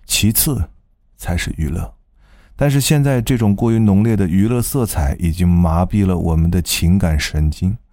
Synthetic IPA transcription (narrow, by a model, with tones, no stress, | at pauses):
t͡ɕʰi˧˥t͡sʰɹ̩˥˩ | t͡sʰa˧˥ɪʂɻ̩˥˩y˧˥lɤ̰˥˩ | t̪a˥˧nʂ̬ɻ̩˥˧ɕjɛ˥˧nt͡sa˥˧ɪʈ͡ʂɤ˥˩ʈ͡ʂʊ˨˩ŋkwɔ˥˩y˧˥nʊ˧˥ŋljɛ˥˩d̪ə˩y˧˥lɤ˥˧sɤ˥˩t͡sʰa˧˥ɪʔi˨˩t͡ɕi˥ŋma˧˥pi˥˩lə˩wʔɔ̰˨˩mə˦nd̪ə˧t͡ɕʰi˧˥ŋka˨˩nʂə˧˥nt͡ɕi˥n